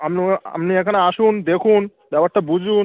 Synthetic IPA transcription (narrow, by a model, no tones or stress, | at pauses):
amnia̰mniekʰaneaʃund̪ekʰun | bɛpaʈːabud͡ʑʱun